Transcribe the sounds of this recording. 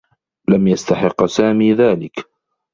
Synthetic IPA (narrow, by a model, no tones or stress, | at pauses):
lamjast̪aħɪqːsaːmiːðaːlɪk